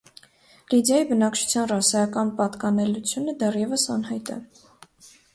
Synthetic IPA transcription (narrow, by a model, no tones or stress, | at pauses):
lid̪jɑjibənɑkt͡ʃʰu̥t͡sʰjɑnrɑsɑɑkɑnpɑt̪kɑnɛlut͡sʰjunəd̪ɛrjɛvəsɑ̰nhɑjt̪ɛ̰